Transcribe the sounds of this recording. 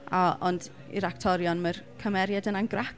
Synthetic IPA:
aɔnd | ḭɾaktʰɔɾjɔnmərkʰəmɛɾjadənanɡra

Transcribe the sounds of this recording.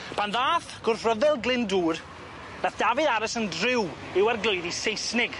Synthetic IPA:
pʰanðaːθɡ̥ʊrθrəðɛlˠɡlɪnduːr | naθd̥avɨðaɾəsəndrɪw | ɪwarɡlˠoɨðisejsnɪɡ̥

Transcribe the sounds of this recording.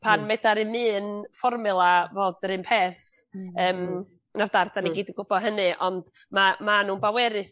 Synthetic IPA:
pʰanmɛdaɾɨmɨːnfɔrmɨlˠavoːd̥ɾɨnpʰeːθ | əːm | navdardaniɡiːdəɡʊbɔɦənɨʔɔnd̥ | mamanuːnbawɛɾɨs

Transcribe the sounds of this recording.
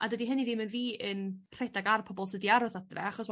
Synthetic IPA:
adədiɦəniðɪmənviːənr̥ɛdaɡarpʰɔbɔlˠsədiaɾɔθadrɛ̰aχɔsw

